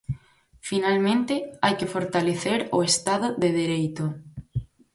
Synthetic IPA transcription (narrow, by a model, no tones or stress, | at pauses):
finalmẽnt̪ɪajkɪfoɾt̪aleθeɾʊest̪aðʊðeðeɾejt̪ʊ